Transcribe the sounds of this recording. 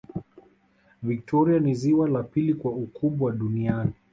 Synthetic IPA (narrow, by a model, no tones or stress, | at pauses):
vik̚tʰɔɾianiziwalapilikwaukʰuɓwaɗuniani